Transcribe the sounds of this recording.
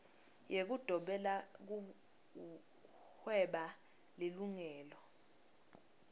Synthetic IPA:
jek̬ud̥ʱɔɓɛlak̬u | hwɛɓa | liluŋɛːlɔ

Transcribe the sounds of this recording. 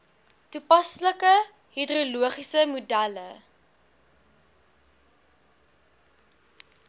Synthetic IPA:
tupɐsləkə | hidruluəχisəmudælə̰

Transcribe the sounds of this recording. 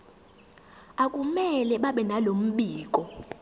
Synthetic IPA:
akʼumɛlɛɓaɓɛnalom̩ɓiːk̬ʼɔ

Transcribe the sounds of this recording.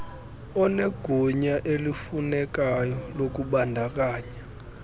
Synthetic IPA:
ɔneɡ̥ʱuɲaʔelifunɛk̬ajɔlok̬uɓandʱak̬aːɲa

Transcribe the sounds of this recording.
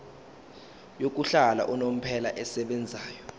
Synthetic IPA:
jok̬ʼuɬala̰ʔunom̩pʰɛlaʔɛsɛɓɛnd͡zʱaːjɔ

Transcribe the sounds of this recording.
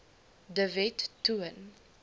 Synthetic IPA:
dəvɛtːuən

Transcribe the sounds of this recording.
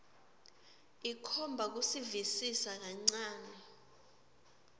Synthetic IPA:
ikʰɔmbʱak̬usivisisak̬aŋ͡ǀaːnɛ

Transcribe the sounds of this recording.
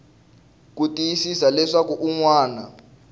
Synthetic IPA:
k̬utʼijisisalɛʂak̬uʔuŋwaːna

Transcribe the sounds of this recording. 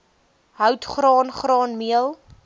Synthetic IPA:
ɦœwtχrɑːnχrɑːnmiəlˠ

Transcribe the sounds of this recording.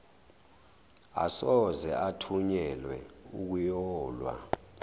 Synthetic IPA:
a̰sɔzɛatʰuɲɛlwɛuk̬ujɔːlwa̰

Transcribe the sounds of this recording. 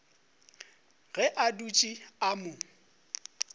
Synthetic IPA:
ɣɛʔadut͡ʃʼiamʊ

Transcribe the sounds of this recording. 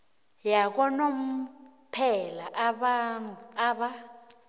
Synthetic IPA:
jak̬ɔnom̩pʰɛlaʔɓaaɓa

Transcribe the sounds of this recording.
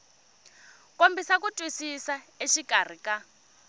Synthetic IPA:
kombisakutʼwisisaeʃikʼar̤ika

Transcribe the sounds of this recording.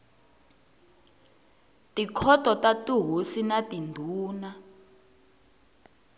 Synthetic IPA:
tikʰɔtʼɔtatuɦosinatindʱuːna

